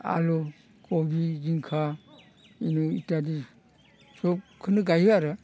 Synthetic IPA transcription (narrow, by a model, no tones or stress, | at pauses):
a̰lɔ | kobid͡ʒiŋkʰa | inuitadi | sɔp̚kʰɯnɯɡajɯaɾɯ